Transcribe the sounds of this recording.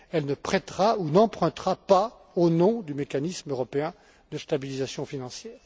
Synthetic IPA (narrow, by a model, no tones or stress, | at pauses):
ɛlnəpχɛt̪ʁaunɑ̃pχɛ̃t̪χapa | onɔ̃d̪ymekanismøʁɔpeɛ̃ | d̪əst̪abilizasjɔ̃finɑ̃sjɛːʁ